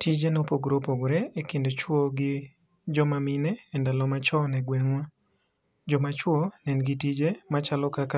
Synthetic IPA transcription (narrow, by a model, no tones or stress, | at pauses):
tid͡ʒenopoɡɾopoɡɾeekɪndot͡ʃwoɡɪ | d͡ʒɔmaminɛɛndalɔmat͡ʃɔnɛɡwɛŋwa | d͡ʒɔmat͡ʃwonɛnɡɪtid͡ʒemat͡ʃalɔkaka